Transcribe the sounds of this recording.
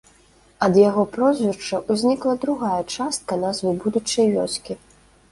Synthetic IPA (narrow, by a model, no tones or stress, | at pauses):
ɐd̪jaɣɔpɾɔzʲvʲɛrt͡ʂɐʔuzʲnʲiklˠɐd̪ɾuɣajɐt͡ʂast̪̚kɐnazvɨbud̪ut͡ʂɐjlʲɔsʲkʲi